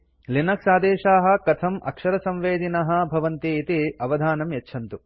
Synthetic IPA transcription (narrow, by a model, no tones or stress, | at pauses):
linɐksaːd̪eːʃaːɦɐ̆kɐt̪ʰɐmɐ̰kʂɐɾɐsɐ̃mʋeːd̪inɐɦɐ̆bʱɐʋɐnt̪iːt̪iɐʋɐd̪ʱaːnɐmjɐtːʃʰɐnt̪u